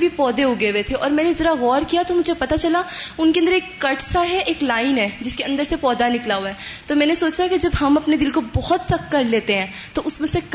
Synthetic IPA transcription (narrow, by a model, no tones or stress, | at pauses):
bʱipɔːd̪eɦoɡɐeʋet̪ʰeʔɔːɾmɛ̃ːnezɐɾaɣɔːɾkijat̪omʊd͡ʒʱepɐt̪at͡ʃɐlaʊnkẽə̃nd̪əɾeːkːɐʈsaɦɛʔeːklaːɪnɦɛːd͡ʒɪskeɐ̃nd̪əɾsepɔːd̪anɪklaɦuaɦɛːt̪omɛ̃ːnesoːt͡ʃaked͡ʒɐbɦɐmɐpned̪ɪlkobɔɦɔt̪sɐkːɐɾleːt̪eɦɛ̃ː | t̪oʔʊsmẽsek